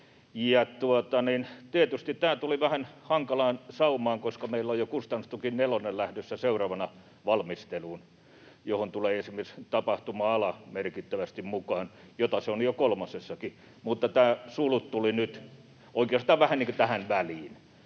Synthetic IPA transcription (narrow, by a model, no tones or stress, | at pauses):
jɑt̪uot̪ɑnint̪iet̪yst̪it̪t̪æːt̪uliʋæhænhɑŋkɑlɑːnsɑumɑːŋkoskɑmeilːojokust̪ɑnːust̪ukinnelonellæhdøsːæseurɑːʋɑnɑ | ʋɑlmist̪eluːn | johont̪uleːesimierst̪ɑpɑht̪umɑːɑlɑmerkit̪ːæʋæst̪immukɑːnjot̪ɑseonjokolmɑsesːɑki | mut̪ːɑt̪æːsulut̪t̪ulinyt̪ | oikeɑst̪ɑːʋʋæhænniŋkot̪æhænʋæliːn